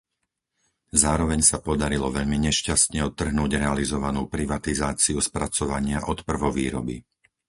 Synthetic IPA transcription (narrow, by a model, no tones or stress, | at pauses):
zaːɾɔʋɛɲsapɔd̪aɾilɔʋɛʎmiɲɛʃcast̪ɲɛɔt̪ːr̩ɦnuːɟɾɛalizɔʋanuːpɾiʋat̪izaːt͡siuspɾat͡sɔʋaɲɪaʔɔt̪pr̩ʋɔʋiːɾɔ̰bḭ